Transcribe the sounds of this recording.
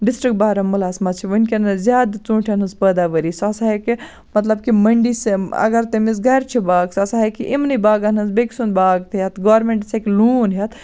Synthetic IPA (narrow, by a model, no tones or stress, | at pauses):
ɖisʈɾik̚ʈ̚baːɾɐmːɐlaːsmɐt͡ʃʰiʋənkʲenɐzʲjaːd̪t͡sũːʈʰɐnɐnspəːd̪aʋəɾisɐsaɦeki | mɐt̪lɐb̚kimɐɳɖisɐ̰ɡɐɾt̪emis̬ɡɐjɾt͡ʃʰibaːɡsɐsaɦekiʔimnibaːɡɐnɐnsbeki̥sunbaːɡt̪ʰjɐt̪ɡaːɾmeɳʈsʰekiluːnɦɐt̪ʰ